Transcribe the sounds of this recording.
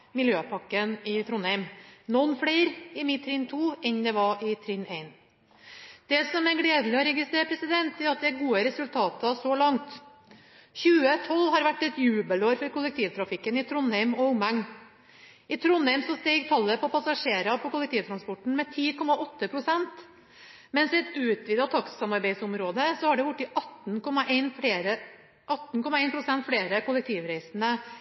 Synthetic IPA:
mɪljøːpʰɑkːənɪt̪ʰɾʊnhɛɪmnɔnːfɽeɪɾɪmɪt̪t̪ʰːɾɪnt̪ʰuːɛnd̪ɛʋɑʔɪt̪ʰɾɪneɪn | d̪̥ɛsɔmæɾɡɽeːd̪l̩ɪɔɾɛɡɪst̪ɾeːɾəpʰɾɛsɪd̪ɛnt̪̚d̪ɛɾɑt̪̚d̪ɛæɾɡuːəɾɛsʉlt̪ʰɑːt̪ɑsɔlɑŋt̪ | çʉːət̪ʰɔlːhɑɾʋæʈːɛt̪jʉːbəloːɾfɔɾkʊlːɛk̚t̪ʰiːʋt̪ʰɾɑfɪkːənɪt̪ʰɾʊnæɪmɔʊmæŋ | ɪt̪ʰɾʊnːæɪmsɔst̪iːɡt̪ʰɑlːəpʰɔpʰɑsɑʂeːɾɑpʰɔkʊlɛk̚t̪ʰiːʋt̪ɾɑnspɔʈːɳ̩mɛt̪ʰiːkʰɔmːɑʔɔt̪ːəpʰɾʊsɛnt̪ | mɛnsɛɛt̪ʉːt̪ʋiːd̪ɑt̪ʰɑkssɑmɑɾbæɪsʊmɾoːd̪əsɔhɑɖɛʋʊʈːɪʔɑt̪ːnkɔmɑʔeɪnfeːɾə | ɑt̪ːn̩kɔmɑeɪnpɾʊsɛnt̪fleːɾəkʊlɛk̚t̪ʰiːʋɾæɪsənə

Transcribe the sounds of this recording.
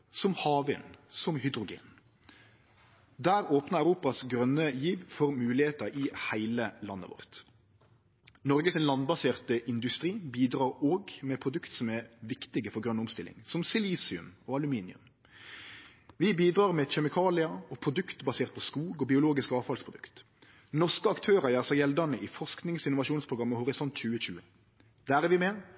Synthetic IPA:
sɔmhɑːʋɪnsɔmhʏd̪ɾʊɡḛːn | d̪æːɾoːpnəʁæʉɾuːpɑsɡɾœnːəjiːʋfɔɾmʉːlɪheːt̪əɾɪhæɪləlɑ̰nːə̰ʋɔ̰ʁt̪ | nɔɾɡəsɛnlɑnbɑseːʁt̪əʔɪnd̪ʉst̪ɾiːbiːd̪ɾɑːɾoːɡmɛpʰɾʊd̪ʉkt̪sɔmæʋɪkt̪ɪɡəfɔɾɡɾœnʊmst̪ɪlɪ̰ŋsɔmsɪliːsɪʉ̰mɔːɑlʉmiːnɪʉ̰m | ʋɪbiːd̪ʁɑːʁmɛçɛmɪkʰɑːlɪɑɔpʰʁʊd̪ʉkt̪bɑseːʁt̪̚pʰɔskuːɡɔbɪʊloːɡɪskɑːʋfɑlspʰʁʊd̪ʉkt̪ | nɔʁʂkəɑkt̪ʰøːʁəjæːʁsəjɛld̪ənəʔɪfɔʁʂknɪŋsɪnʊʋɑʃuːnspʰʁʊɡɑmːəhʊʁɪsɔnt̪c͡çʉːəc͡çʉ̰ːə | d̪̥æːʁɛʋɪmɛ

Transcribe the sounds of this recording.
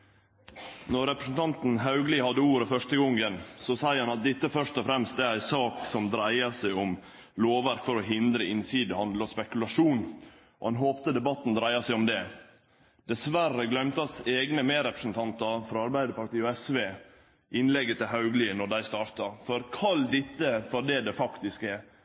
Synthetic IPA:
nɔɾɾɛpɾəsn̩t̪ʰɑnt̪n̩ɦɑʉɡliːhɑd̪ːəuːɾəfœʂʈəɡɔŋːənsɔsæɪəɾhɑnɑt̪̚d̪ɪt̪ːəfœʂt̪ɔfɾɛmst̪̚d̪ɛæɾæɪsɑːksɔmd̪ɾæɪəɾsæɪɔm | loːʋʋæɾkfɔɾɔɦɪnd̪ɾəɪnsiːd̪əhɑnd̪lɔspɛkʉlɑʂuːn | ʔɔ̰hɑnɦoːpt̪əd̪ɛbɑt̪ːnd̪ɾæɪɑsæɪɔmd̪ɛ | d̪̥ɛsʋærəɡlœmt̪ɑseːɡnəmeːɾɛpɾə̥sn̩t̪ʰɑnt̪əɾfɾɑɑɾbæɪd̪əɾpɑɾt̪iːɔɛsʋeː | ʔɪnlɛɡːət̪ʰɪɦɑʉɡlɪnɔɖæɪst̪ɑːɾt̪ɑfɔɾkʰɑld̪ɪt̪ːəfɔɾɖɛd̪ɛfɑkt̪ɪskɛɾ

